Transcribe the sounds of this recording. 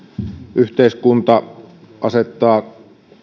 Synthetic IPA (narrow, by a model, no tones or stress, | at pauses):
ʔyht̪eˑiskunt̪ɑ | ʔɑset̪ːˑɑː